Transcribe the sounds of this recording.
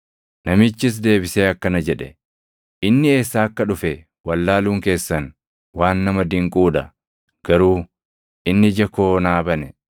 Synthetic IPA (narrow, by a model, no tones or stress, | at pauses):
nɐmɪt͡ʃːɪs̬d̪e̞ːbɪseːɐkːɐnɐd͡ʒɛᶑɛ | ʔɪnːɪe̞ːsːaːɐkːɐᶑʊfɛ | wɐlːaːluːŋke̞ːsːɐn | waːnːɐmɐd̪ɪŋkʼuːᶑɐ̰ | ɡ̥ɐɾuː | ʔɪnːɪd͡ʒɐko̞ːnaːbɐnɛ